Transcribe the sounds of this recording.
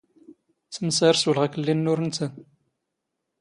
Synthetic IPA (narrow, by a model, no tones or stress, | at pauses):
t͡sːməsaɾswəlʁækəlːinːʊɾnsən